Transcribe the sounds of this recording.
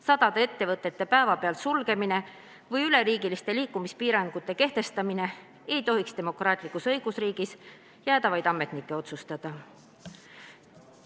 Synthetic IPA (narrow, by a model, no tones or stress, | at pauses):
sɑd̪̥ɑd̪̥ee̞t̪ːe̞vɤt̪ˑːe̞t̪ːe̞pæevɑpe̞ɑlsulɡ̥e̞mine̞ | vɤjyle̞ɾiːɡilist̪e̞liːkˑːumispiːɾɑŋɡ̥ut̪ːˑe̞ke̞ht̪e̞st̪ɑmine̞ | e̞jt̪o̞ɦikst̪e̞mo̞krɑːt̪ʲˑlikːˑusɤ̞jɡ̥usriːɡ̥is | jæːd̪ɑvɑjd̪ɑme̞t̪nikːˑe̞o̞t̪sust̪ɑd̪̥ɑ